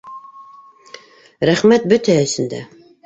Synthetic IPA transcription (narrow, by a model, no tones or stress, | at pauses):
ɾæχmæt̪̚bʉt̪ʰæːsɪnd̪æ̰